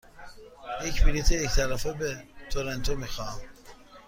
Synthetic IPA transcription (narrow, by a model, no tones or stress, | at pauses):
jecʰmilit̪ʰeect̪ʰælæfebet̪ʰoɾent̪ʰomixɑm